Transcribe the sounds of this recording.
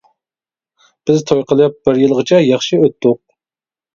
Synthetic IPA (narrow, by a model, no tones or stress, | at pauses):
b̥ɪzt̪ʰojqəlˠɨjɑp̚bɪɾjɨlˠʁət͡ʃʰɛjɑχʃiøt̪ːʊq̚